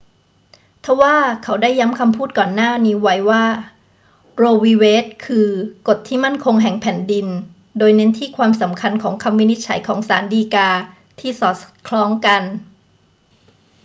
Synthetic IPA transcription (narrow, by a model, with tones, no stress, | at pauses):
t̪ʰa˧˥waː˥˩kʰa˦˥wdaː˥˩jːa˦˥mkʰa˧mpʰuː˥˩t̪̚kɔː˨˩nːaː˥˩niː˧˥wa˨˦˥jwaː˥˩ | ɾoː˧wiː˧weː˦˥t̪̚kʰɯː˧ko˨˩t̪ʰːiː˥˩ma˥˩nkʰo˧ŋɦɛ˨˩ŋpʰɛ˨˩˦ndi˧n | doː˧jne˦˥nt̪ʰiː˥˩kʰwaː˧msa˩˦mkʰa˧nkʰɔː˩˦ŋkʰa˧mːi˦˥ni˦˥t̪̚t͡ɕʰa˨˩˦jkʰɔː˩˦ŋsa̰ː˩˦ndiː˧kaː˧ | t̪ʰiː˥˩sɔː˨˩t̪̚kʰlɔː˦˥ŋka˧n